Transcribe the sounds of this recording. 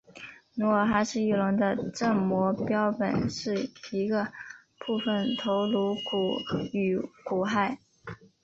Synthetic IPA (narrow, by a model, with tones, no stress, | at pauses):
nu˧˥ə˞˨˩xa˧˥ʂɻ̩˥˧i˥˩lʊ˧˥ŋd̪ə˧ʈ͡ʂə˥˩ŋmwɔ˧˥pjɑ˥ʊpə̰˨˩nʂɻ̩˥˩i˧˥ɡə˧ | pu˥˩fə˨˩nt̪ʰo˧˥ʊlu˧˥ku˨˩y˨˩ku˨˩xa˥˩ɪ